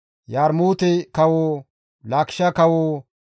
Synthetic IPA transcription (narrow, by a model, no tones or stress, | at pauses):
jaːɾmoːt̪ɛkɐwoː | laːkʃɐkɐwoː